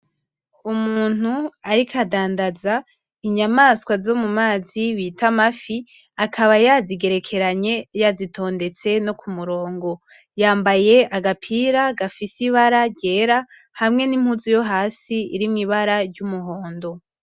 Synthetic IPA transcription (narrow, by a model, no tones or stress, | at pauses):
umuːn̥uaɾikʰadaːndaza | iɲamaskwazo̞mumaːziβiːtamafi | akʰaβajaziɡe̞ɾe̞kʰe̞ɾaɲe̞jazito̞ːnde̞t͡se̞nokumuɾo̞ːŋɡo̞ | jaːmbaje̞ʔaɡapʰiːɾaɡafisiβaɾaɟe̞ːɾa | hamŋe̞nim̥huzujo̞ɦaːsiḭɾimŋiβaɾaɾɟumuho̞ːndo̞